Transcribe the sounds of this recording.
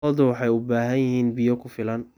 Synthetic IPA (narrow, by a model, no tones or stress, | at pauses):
ɔðʊwɑħɑjʊbaːɦɐnjɪɦiːnbɪjɔkʰʊfɪlɐn